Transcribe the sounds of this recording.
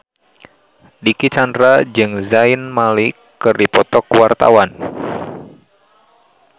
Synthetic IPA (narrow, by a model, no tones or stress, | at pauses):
dikit͡ʃandɾad͡ʒɨŋzaɪnmalikː | ɨrdipɔt̪ɔkwart̪a̰wan